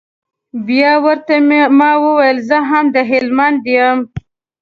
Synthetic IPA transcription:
bjɑwəɾt̪amɑwəwajəlzəɦamd̪əɦɪlmand̪jəm

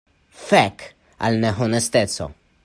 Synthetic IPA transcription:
fɛk | ɐ̰lnɛɦɔnɛst̪ɛt͡sːo̰

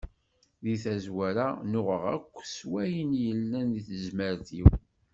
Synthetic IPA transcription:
ðiθæzwæɾanʊʁəʁæ̰kʷːswæjənjəlːæniθəzməɾθiw

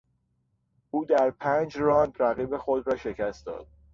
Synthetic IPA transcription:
ʔuːd̪æɾpʰæːnd͡ʒɾɒːnd̪ɾæɣiːbe̞xod̪ɾɒːʃecʰæst̪̚d̪ɒ̰ːd̪̥̚

